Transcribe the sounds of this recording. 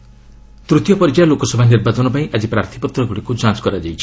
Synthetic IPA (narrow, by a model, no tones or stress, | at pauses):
t̪ɾut̪jɔpɔɾit͡ʃajɔlokɔsɔbʱaniɾbat͡ʃɔnɔpaĩʔad͡ʒipɾaɾt̪ʰi̥pɔt̪ɾɔɡuɽikud͡ʒãt͡ʃkɔɾad͡ʒajt͡ʃʰi̥